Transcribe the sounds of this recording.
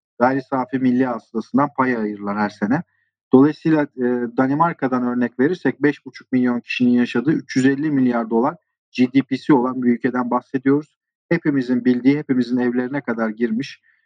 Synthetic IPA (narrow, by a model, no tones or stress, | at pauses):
ɡaɾisaːfimilʲːiasd̪asɯnd̪anpʰajaːjɯɾlˠaɾhæɾse̞nɛ | d̪̥o̞lˠajisɯjlˠad̪animaɾkʰad̪anø̞ɾnɛcve̞ɾiɾsɛc̚bɛʃbut͡ʃʰu̥k̚milʲjo̞ncʰi̥ʃininjaʃad̪ɯːyt͡ʃjyzɛlʲːimilʲjaɾd̪o̞lˠaɾ | d͡ʒid̪ipisio̞lˠanbiylʲcʰe̞d̪ænbaxse̞d̪ijo̞ɾuz̥ | hepimizinbilʲd̪iːɦe̞pimizinɛvlʲe̞ɾinɛkʰad̪aɾɟiɾmiʃ